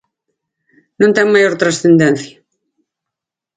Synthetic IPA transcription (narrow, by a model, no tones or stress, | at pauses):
nũnt̪ɛŋmajoɾt̪ɾasθend̪ɛn̟θja